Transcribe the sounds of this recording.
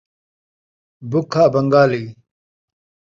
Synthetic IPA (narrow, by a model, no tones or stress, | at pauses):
bʊkʰːaːbɐŋɡaːliː